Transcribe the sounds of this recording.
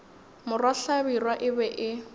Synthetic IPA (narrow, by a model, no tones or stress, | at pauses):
mʊrwaɬabirwaʔɪbɛʔɪ